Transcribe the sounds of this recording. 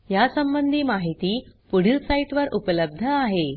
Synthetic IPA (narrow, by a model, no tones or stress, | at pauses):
jasəmbənd̪ʱiːmaɦit̪iːpuɽ̤isaiʈʋəɾʔupələb̚d̪ʱəaɦe